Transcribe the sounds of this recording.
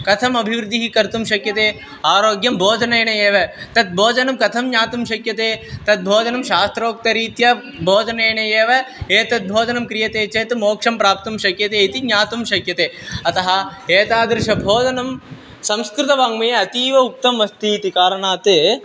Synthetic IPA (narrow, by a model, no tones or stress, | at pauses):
kɐt̪ʰɐmɐbʱiʋɾud̪ʱiɦikɐɾt̪umʃɐkjɐt̪eː | aːɾoːɡjɐmbʱoːd͡ʒɐnɐːjɳɐjeːʋɐt̪ɐt̪̚bʱoːd͡ʒɐnɐmkɐt̪ʰɐmɲaːt̪umʃɐkjɐt̪eːt̪ɐt̪̚bʱoːd͡ʒɐnɐmʃaːst̪ɾoːk̚t̪ɐɾiːt̪jɐ | bʱoːd͡ʒɐneːɳɐeːʋɐeːt̪ɐt̪̚bʱoːd͡ʒɐnɐmkɾijɐt̪eːt͡ʃeːt̪umoːkʂɐmpɾaːp̚t̪umʃɐkjɐt̪eːit̪iɲaːt̪umʃɐkjɐt̪eːɐt̪ɐɦɐ̆eːt̪aːd̪ɾɪʃɐbʱoːd͡ʒɐnɐm | sɐmskɾɪt̪ɐʋaːŋɡmɐjɐt̪iːʋɐuk̚t̪ɐmʋɐst̪iːt̪ikaːɾɐɳaːt̪eː